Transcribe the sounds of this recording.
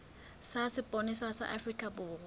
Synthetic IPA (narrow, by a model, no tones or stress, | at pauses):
sasɪpʼɔnɪsasa̰ʔafrikʼabʊːrʊ